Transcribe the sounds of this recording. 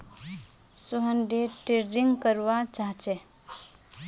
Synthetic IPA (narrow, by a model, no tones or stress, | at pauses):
suɦənɖeʈeɾd͡ʒiŋɡkəɾʋat͡ʃaɦt͡ʃɛ